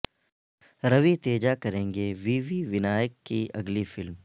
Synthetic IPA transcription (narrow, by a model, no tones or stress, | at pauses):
ɾɐʋit̪eːd͡ʒakɐɾẽːŋɡeʋiːʋiʋɪnaːjəkːiʔɐɡlifɪlm